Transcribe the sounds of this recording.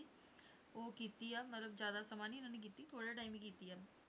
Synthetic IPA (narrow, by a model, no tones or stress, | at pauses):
oːkiːt̪iːɛːmət̪ləbd͡ʒjaːd̪aːsəmaːniːʊnãːneːk̬iːt̪iːt̪ʰoːɽeʈaːimikiːt̪iːɛː